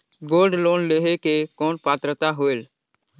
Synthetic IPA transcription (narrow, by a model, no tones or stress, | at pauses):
ɡoːlɖloːnleːɦekekoːnpaːt̪ɾət̪aːɦoːeːl